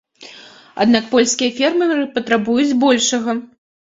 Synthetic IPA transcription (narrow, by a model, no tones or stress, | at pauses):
a̰d̪nakpɔlʲskʲijɐfʲɛrmɨɾɨpɐt̪ɾabujud͡zʲbɔlʲʂɐɣɐ